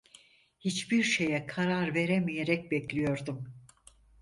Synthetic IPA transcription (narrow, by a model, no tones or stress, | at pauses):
hit͡ʃbiɾʃe̞jɛkʰaɾaɾve̞ɾemijeɾɛc̚bɛclʲijo̞ɾd̪um